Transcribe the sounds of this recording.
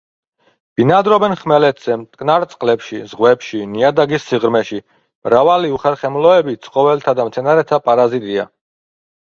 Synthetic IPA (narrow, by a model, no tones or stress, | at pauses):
b̥inad̪ɾɔbɛnχmɛlɛt̪ʰz̥ɛmt̪ʼkʼnaɾt̪sʼqʼlɛpʃizʁwɛpʃiniad̪aɡisːiʁɾmɛʃi | mɾavaliuχɛɾχɛmlɔɛbit̪sʼqʼɔvɛlt̪ʰad̪amt̪sʰɛnaɾɛt̪ʰapʼaɾazit̪ʼia̰